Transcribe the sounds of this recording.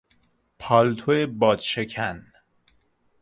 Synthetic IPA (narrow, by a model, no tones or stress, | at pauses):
pʰɒːlt̪ʰoebɒːd̪ʃecʰæn